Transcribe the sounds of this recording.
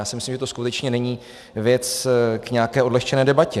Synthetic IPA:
jaːsɪmɪslimʒɛt̪oskut̪ɛt͡ʃɲɛnɛɲiː | vjɛt͡skɲɛakɛːʔodlɛxt͡ʃɛnɛːdɛbacɛ

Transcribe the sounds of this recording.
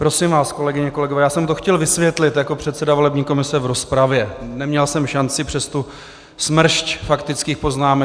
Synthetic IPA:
pɾo̞sɪmvaːsko̞lɛɡɪɲɛko̞lɛɡovɛːjaːsɛmt̪o̞xcɛlvɪsvjɛt̪lɪt̪jako̞pr̝̥ɛt̪t͡sɛdavo̞lɛbɲiːko̞mɪsɛvɾo̞spɾavjɛnɛmɲɛlsɛmʃant͡sɪpr̥ɛst̪u | smr̩ʃcfakt̪ɪt͡skiːxpo̞znaːmɛ

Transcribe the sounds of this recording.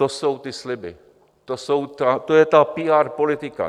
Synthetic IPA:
oso̞wt̪ɪslɪbɪ̰ | t̪osowt̪at̪ojɛt̪apiːaːɾpolɪt̪ɪka̰

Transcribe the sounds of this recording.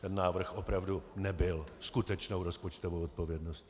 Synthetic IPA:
t̪ɛnːaːvr̩xʔopɾavdunɛbɪlskut̪ɛt͡ʃnowɾo̞spot͡ʃt̪ovowʔot̪̚po̞vjɛdnosc

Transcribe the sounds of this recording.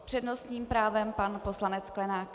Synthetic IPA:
pr̥ɛdno̞st̪ɲiːmpɾaːvɛmpanpo̞slanɛt͡sklɛnaːk

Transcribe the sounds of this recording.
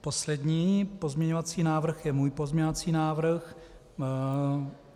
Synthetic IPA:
po̞slɛdɲiːpo̞zmɲɛɲovat͡siːnaːvr̩xjɛmuːjpozmɲɛɲovat͡siːnaːvr̩x

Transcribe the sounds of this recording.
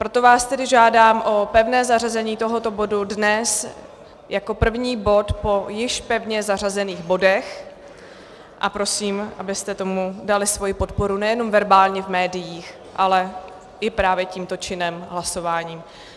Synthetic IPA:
pɾo̞t̪o̞vaːst̪ɛdɪʒaːdaːmʔo̞pɛvnɛːzarazɛɲiːt̪o̞ɦo̞t̪o̞bo̞dudnɛs | jako̞pr̩vɲiːbo̞t̪po̞jɪʃpɛvɲɛzar̝azɛniːɣbo̞dɛx | ʔa̰pɾo̞siːmʔabɪst̪ɛt̪o̞mudalɪsvo̞jipo̞t̪̚po̞ɾunɛjɛno̞mvɛɾbaːlɲɛvmɛːdɪjiːx | ʔalɛ | ʔɪpɾaːvjɛciːmt̪o̞t͡ʃɪnɛmɦlaso̞vaːɲiːm

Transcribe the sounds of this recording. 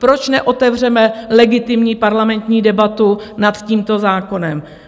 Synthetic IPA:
pɾo̞t͡ʃnɛʔo̞t̪ɛvr̝ɛmɛlɛɡɪt̪ɪmɲiːpaɾlamɛnt̪ɲiːdɛbat̪unat̪ciːmt̪o̞zaːko̞nɛm

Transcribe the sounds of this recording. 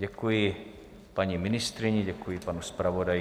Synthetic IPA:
ɟɛkuji | paɲimɪnist̪ɾiɲiɟɛkujipanuspɾaʋodaj

